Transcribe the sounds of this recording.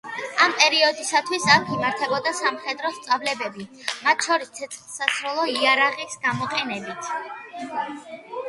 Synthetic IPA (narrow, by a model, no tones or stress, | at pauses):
ampʼɛɾiɔd̪isat̪ʰwisakʰimaɾt̪ʰɛbɔd̪asamχɛd̪ɾɔst̪sʼavlɛbɛbimat̪ʰʃɔɾist̪sʰɛt̪sʰχlˠsasɾɔlˠɔiaɾaʁisɡamɔqʼɛnɛbit̪ʰ